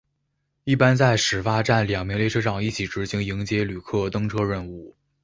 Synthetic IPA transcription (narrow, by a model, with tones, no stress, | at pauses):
i˥˩pa˥nt͡sa˥˩ɪʂɻ̩˨˩fa˥ʈ͡ʂa˥˩nljɑ˨˩ŋmi˧˥ŋle˥˧ɪʈ͡ʂʰɤ˥ʂɑ˥˧ŋi˥˩t͡ɕʰi˧˥ʈ͡ʂɻ̩˧˥ɕi˧˥ŋi˧˥ŋt͡ɕjɛ˥ly˨˩kʰɤ˥˩t̪ɤ˥ŋʈ͡ʂʰɤ˥ɻə˥˧nu˥˩